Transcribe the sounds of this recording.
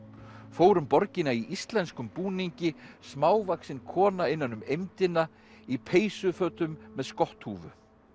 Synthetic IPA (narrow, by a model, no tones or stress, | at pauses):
foːwɾʏmpɔɾcɪnaiʔist̪lɛnskʏmpuːniɲcɪsmaːwvaksɪnkʰɔːnaɪnːanːʏmejmt̪ɪna | ipʰeːjsʏfœːt̪ʏmːɛðskɔht̪huːvʏ̰